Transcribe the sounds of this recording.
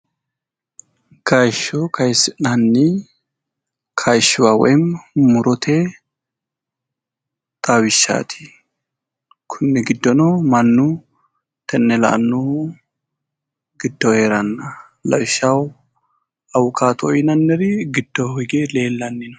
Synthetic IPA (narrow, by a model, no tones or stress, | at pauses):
kʰajʃːɔkʰɐjsɪnɐnːɪ | kʰajʃːɪwawɔ̰jmmʊɾɔt̪ʰe | t̪ʼawɪʃːa̰ːt̪ʰɪ̥ | kʰʊnːɪɡɪd̪ːɔnomɐnːu | t̪ʰɛnːɛlɐ̰ʔnːu | ɡɪd̪ːɔheːɾɐnːɐ | lɐ̰wɪʃːɐw | ɐwʊkaːt̪ɔjɪnɐnːɛɾɪɡɪd̪ːɔɔɡeːle̞ːlːɐnːɪn